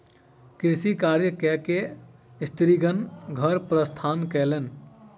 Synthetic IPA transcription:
kiɾsikaɾjəkɛkeist̪ɾiɡənɡʱəɾpɾəst̪ʰankɛlen

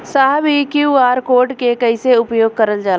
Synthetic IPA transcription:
saɦbʱikjuːaːɾkoːɾʈkekɐiseʊpjoːɡ̚kɐɾəld͡ʒaːl

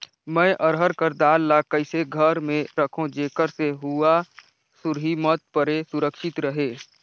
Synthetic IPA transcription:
mɛ̃ːʔəɾɦəɾkəɾd̪aːlːakəɪseɡʱəɾmẽɾəkʰõd͡ʒeːkəɾseɦua | sʊɾɦimət̪̚pəɾesʊɾəkʃɪt̪ɾəɦeː

